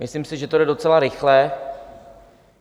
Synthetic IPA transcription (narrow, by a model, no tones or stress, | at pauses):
mɪslimsɪʒɛt̪odɛdo̞t͡sɛlaɾɪxlɛ